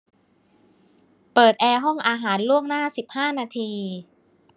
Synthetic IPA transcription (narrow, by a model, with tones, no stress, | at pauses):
pɤː˨˩t̪̚ʔɛː˧ɦɔ˥˩ŋʔaː˧ɦaː˩˦nlu˥˩əŋnaː˥˩si˨˩p̚haː˥˩naː˧t̪ʰiː˧